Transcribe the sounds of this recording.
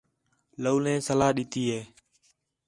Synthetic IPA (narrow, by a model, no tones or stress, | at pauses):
ləuːnɛ̃ːsəlaːɗiːt̪iːeː